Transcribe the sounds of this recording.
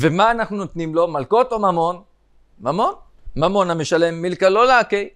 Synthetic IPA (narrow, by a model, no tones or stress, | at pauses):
vemaːnaχnunot̪nimlo̞malko̞t̪omamo̞n | mamo̞n | mamo̞nameʃale̞mːilkalo̞lakej